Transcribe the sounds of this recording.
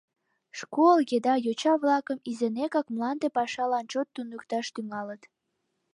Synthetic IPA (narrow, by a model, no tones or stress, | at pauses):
ʃkolɣed̪ɑjot͡ɕɑβlɑkəmizenekɑkmlɑnd̪epɑʃɑlɑnt͡ɕot̪ːunəkt̪ɑʃt̪yŋɑlət̪